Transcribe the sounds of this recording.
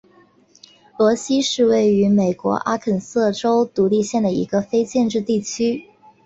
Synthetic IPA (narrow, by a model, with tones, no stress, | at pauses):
lwɔ˧˥ɕi˥ʂɻ̩˥˧we˥˩ɪy˧˥me˨˩ɪkwɔ̰˧˥ʔa˥kʰə˨˩nsɤ˥˩ʈ͡ʂo˥ʊt̪u˧˥li˥˧ɕjɛ˥˩nd̪ə˩ḭ˧˥ɡə˧fe˥ɪt͡ɕjɛ˥˧nʈ͡ʂɻ̩˥˧t̪i˥˩t͡ɕʰy˥